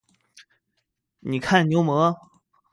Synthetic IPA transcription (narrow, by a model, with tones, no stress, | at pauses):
ni˨˩kʰa˥˩nnjo˧˥ʊmɤ˧˥